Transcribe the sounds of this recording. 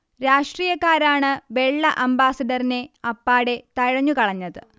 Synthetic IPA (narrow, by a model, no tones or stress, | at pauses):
ɾaːʂʈriːjɐkːaːɾaːɳɨʋe̞ɭːɐʔɐmbaːsɐɖɐrine̞ɐpːaːɽe̞t̪ɐɻɐɲːukɐɭɐɲːɐðɨ